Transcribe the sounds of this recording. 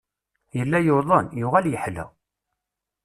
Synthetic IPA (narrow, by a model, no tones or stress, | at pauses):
jəlːæjoðˤənjʊʁæljəħlæ̰